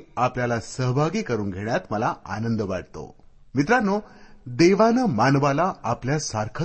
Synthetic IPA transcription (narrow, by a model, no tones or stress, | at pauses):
apljalasəɦbʱaɡiːkəɾuːnɡʱeɳjat̪məlaa̰nənd̪əʋaɽt̪o̰mit̪ɾanod̪eʋanəmanʋalaːpljasaɾkʰə